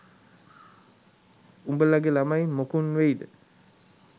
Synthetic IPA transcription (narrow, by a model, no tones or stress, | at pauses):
umbəlaɡelamajmokunʋejd̪ə